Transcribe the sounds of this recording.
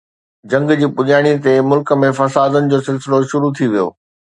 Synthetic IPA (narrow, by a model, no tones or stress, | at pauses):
d͡ʑɐ̃ŋɡd͡ʑiːpʊʄaːɽ̃it̪̬emʊlkə̆mẽfɐsaːd̪ənɪ̆d͡ʑoːsɪlsɪloʃʊɾut̪ʰiʋijo̰ː